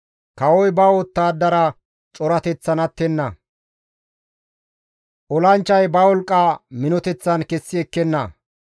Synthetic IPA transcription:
kɐwɔjbɐwot̪ːaːd̪ːɐɾɐ | t͡ʃʼɔɾɐt̪ɛt͡sːɐnɐt̪ːɛnːɐ | ʔɔlɐnt͡ʃːɐjbɐwɔlkʼːɐmɪnɔt̪ɛt͡sːɐnkɛsːɪɛkːɛnːɐ̰

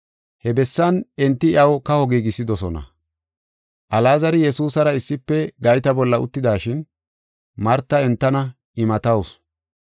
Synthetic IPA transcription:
hɛbɛsːɐnɛnt̪ːɪɪʔɐwkɐhɔɡiːɡɪsːɪd̪ɔsɔ̰nɐ̰ | ʔɐlaːzɐɾɪjɛsuːsɐɾɐɪsːɪpːɛɡɐjt̪ɐbɔlːɐʊ̰t̪ːɪd̪aːʃɪn | mɐɾt̪ːɐɛnt̪ːɐnɐ | ɪmɐt̪ɐws

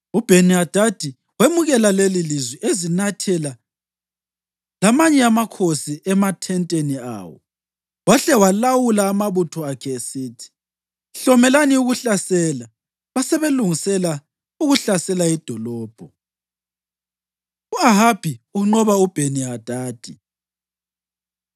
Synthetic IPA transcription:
ub̥ʱeniad̥ʱad̥ʱi | wemuɣɛlalelilizwiʔezinatʰɛla | lamaɲɛamakʰosiʔɛmatʰɛntʼenia̰ːwɔ̰ | waɬɛwalawulaːmaβutʰɔakʰɛesiːtʰi̥ | ɬɔmɛlaniuɣuɬasɛːla | βasɛβeluŋisɛla | uɣuɬasɛlaid̥ʱɔlɔːb̥ʱɔ | uaɦab̥ʱiuŋ͡ǃɔβaub̥ʱeniad̥ʱaːd̥ʱi

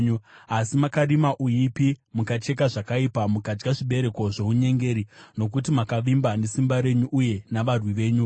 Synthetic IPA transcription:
uasimakarimaʔujipimukat͡ʃe̞kaʐakaipamukad͡ʒɡaʐiɓe̞ɾe̞koʐe̞ɦuɲe̞ŋɡe̞ːɾino̞k̬ut̬imakaʋimbane̞simbaɾe̞ɲuʔuje̞naʋarwiʋe̞ːɲu

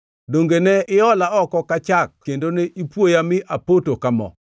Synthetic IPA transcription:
doŋɡenɛɪɔlaɔkɔkat͡ʃak̚kendoneʔipwojamɪʔapotokamɔ̰

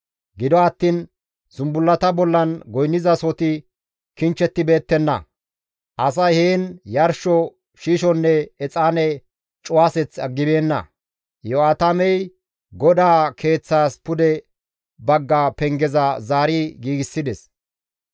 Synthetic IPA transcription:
ɡɪd̪ɔɐt̪ːiːn | z̥ʊmbʊlːɐt̪ɐbɔlːɐnɡɔjnːɪzɐsɔt̪ɪ | kɪnt͡ʃːɛt̪ːɪbe̞ːt̪ːɛnːɐ̰ | ʔɐs̬ɐjheːnjɐɾʃɔ | ʃiːʃɔnːɛɛt͡sʼaːnɛ | t͡ʃʼʊwaːsɛt͡sːɐɡːɪbe̞ːnːɐ̰ | jɔaːt̪ɐmɛj | ɡɔd̪aːkʰe̞ːt͡sːaːspʊd̪ɛ | bɐɡːaːpɛŋɡɛzɐzaːɾɪɡiːɡɪsːɪd̪ɛs

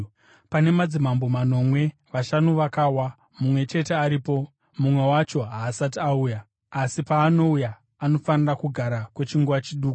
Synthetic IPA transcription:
pane̞mad͡zimambo̞mano̞ːmwe̞ | ʋaʃanuʋakawa | mumwe̞t͡ʃe̞te̞aɾipo̞ | mumwe̞wat͡ʃo̞ɦaːsatiauːjaː | sipaːno̞ujaː | no̞fanirakuɡʱaɾakwe̞t͡ʃiŋɡuʋat͡ʃiɗuːku̥

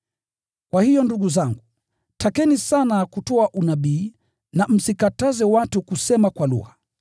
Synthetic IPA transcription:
kwahijɔnduɠuzaŋɡu | tʰakɛnisanakutɔaʔunaɓiː | nam̩sikatazɛwatukusɛmakwalṵɣa

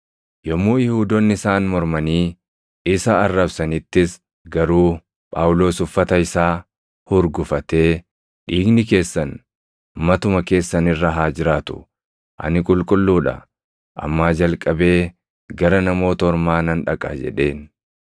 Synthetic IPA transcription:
jɔmːuːjɪhuːd̪ɔnːɪɪsaːnmɔɾmɐniː | ɪsɐːrːɐbsɐnɪt̪ːɪs | ɡɐɾuː | pʼaːwʊlo̞ːsʊfːɐt̪ɐɪsaː | hʊɾɡʊfɐt̪e̞ː | ᶑiːɡnɪke̞ːsːɐn | mɐt̪ʊmɐke̞ːsːɐnɪrːɐɦaːd͡ʒɪɾaːt̪ʊ̥̰ | ʔɐ̰nɪkʼʊlkʼʊlːuːᶑɐ̰ | ʔɐ̰mːaːd͡ʒɐlkʼɐbe̞ː | ɡɐɾɐnɐmo̞ːt̪ɐɔɾmaːnɐnᶑɐkʼa̰ːd͡ʒɛ̰ᶑe̞ːn

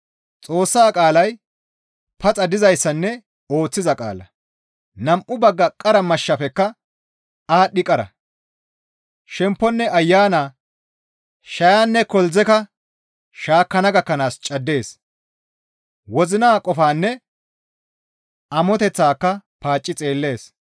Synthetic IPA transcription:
t͡sʼo̞ːsːaːkʼaːlɐj | pɐt͡sʼɐd̪ɪzɐjsːɐnːɛ | o̞ːt͡sːɪzɐkʼa̰ːlɐ̰ | nɐmʔʊbɐɡːɐkʼːɐɾɐmɐʃːɐfɛkːɐ | aːɗɪkʼɐɾɐ̰ | ʃɛmpːɔnːɛɐjːaːnaː | ʃɐjaːnːɛkɔlzɛkɐ | ʃaːkːɐnɐɡɐkːɐnaːst͡ʃʼɐd̪ːe̞ːs | wɔzɪnaːkʼɔfaːnːɛ | ɐmɔt̪ɛt͡sːaːkːɐpaːt͡ʃʼːɪt͡sʼe̞ːlːe̞ːs

